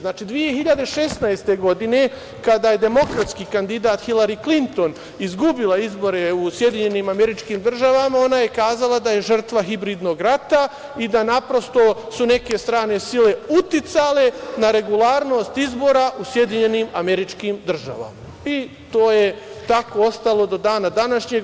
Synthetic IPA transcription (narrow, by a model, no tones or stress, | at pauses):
znaːt͡ʃiːd̪ʋije̞xiʎad̪eʃesnajst̪e̞ɡo̞d̪ine̞ | kad̪aːje̞d̪e̞mo̞kɾat̪skikand̪id̪aːt̪xilaɾiklint̪o̞n | izɡubilaizbo̞ɾe̞usje̞d̪iɲe̞nimame̞ɾit͡ʃkiːmd̪r̩ʒaʋamao̞naje̞kaːzalad̪aje̞ʒr̩t̪ʋaɦibɾiːd̪no̞ɡɾat̪a | id̪anapɾo̞st̪o̞sune̞ke̞st̪ɾaːne̞sile̞ut̪it̪saːle̞naɾe̞ɡulaːɾno̞ːst̪izbo̞ːɾaʔusje̞d̪iɲe̞nimameɾit͡ʃkimd̪r̩ʒa̰ʋa̰ma | i | t̪oːjet̪akoo̞st̪alˠo̞d̪o̞d̪aːnad̪anaʃɲeɡ